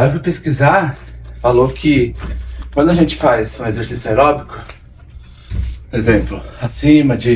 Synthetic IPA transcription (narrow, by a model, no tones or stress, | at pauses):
avʊpeskizaɾfalokʰɪ | kwɐ̃nd̪ʊaʒẽnt͡ʃɪ̥fajzũezeɾsisjʊajɾɔbikʊ̥ | ezẽmplʊhasĩmɐd͡ʒɪ